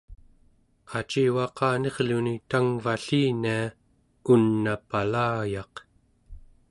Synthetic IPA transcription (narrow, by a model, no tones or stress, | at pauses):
at͡ʃiːwɑqɑːne̞ʁlunit̪aŋvaɬiːnia | unːapalaːjɑq